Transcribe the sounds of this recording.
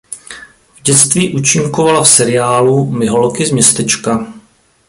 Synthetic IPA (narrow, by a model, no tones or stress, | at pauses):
vɟɛt͡st̪viːʔut͡ʃɪŋkovalafsɛɾɪjaːlumɪɦolkɪzmɲɛst̪ɛt͡ʃka